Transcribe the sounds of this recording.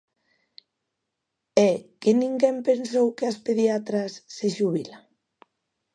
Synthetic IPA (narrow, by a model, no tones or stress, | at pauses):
ɛkenĩŋɡempensowkeaspeðiat̪ɾasːeʃuβila